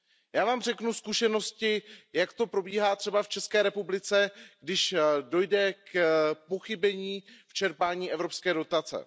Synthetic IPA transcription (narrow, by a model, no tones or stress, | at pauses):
jaːvaːmrɛknuskuʃɛno̞scɪjakt̪o̞pɾobiːɦaːt̪r̝̥ɛbaft͡ʃɛskɛːɾɛpublɪt͡sɛɡ̥dɪʃdo̞jdɛkpo̞xɪbɛɲiːft͡ʃɛɾpaːɲiːɛvɾo̞pskɛːdo̞t̪at͡sɛ̰